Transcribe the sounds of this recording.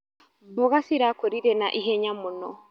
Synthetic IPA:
bɔɣasiɾakoɾiɾɛnaʔiɦɛɲamunɔ̰

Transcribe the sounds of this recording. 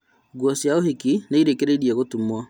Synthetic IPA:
ɡwɔsjaohikineiɾekeɾeiɾiaɣotumwa

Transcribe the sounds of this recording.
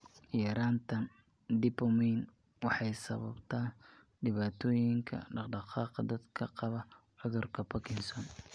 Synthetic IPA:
jɛɾaːnt̪ʰɐn | d̪ɪbɔmɛjn | wɑħɑjsɐβɐbt̪ʰaːn | ɖɪβaːt̪ʰɔːjɪŋkʰɐ̰ɖɑqɖɑqɑːqɑd̪ɐd̪kʰɐqɑβɐ | ʕʊðʊrkʰɐpɔkʰɪnsɔn

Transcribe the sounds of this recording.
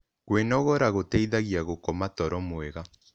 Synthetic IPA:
kwenɔɣɔɾaɣotɛiðaɣjaɣokɔmatɔɾɔmwɛɣa

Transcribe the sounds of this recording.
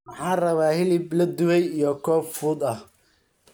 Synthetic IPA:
mɑħɑːrɐβaːhɪlɪblɐd̪ʊβɛjijɔkʰɔːffuːd̪ɐh

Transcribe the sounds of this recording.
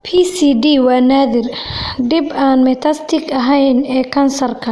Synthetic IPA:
pʰisiːɖiːwɑːnaːðɪrɖɪbaːnmɛt̪ʰɐst̪ʰɪɡʰɐɦɛjnɛːkʰɐnsɐrkʰɐ

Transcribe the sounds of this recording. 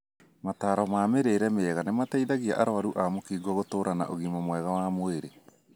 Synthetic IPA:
mataːɾɔmaːmeɾeːɾɛmeɛɣanemataiðaɣia̰ʔaɾoaɾuʔamokiːɡwaɣotoːɾʔana̰ʔoɣimamwɛɣawamoeɾe

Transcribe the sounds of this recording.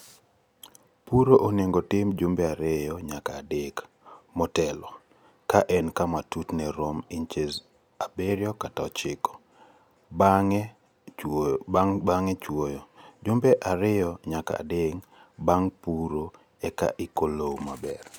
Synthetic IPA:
puɾoʔoneŋɡotɪmd͡ʒʊmbeaɾejɔɲakaːdek | mɔtɛlɔ | kaʔɛnkamatutnɛɾomɪnt͡ʃez | abeɾjɔkataɔt͡ʃɪkɔ̥ | baŋ | baŋɛt͡ʃwojɔd͡ʒʊmbeʔaɾɪjɔɲaka̰ːdeŋ | baŋpuɾo | ɛka̰ʔikolowmabɛr

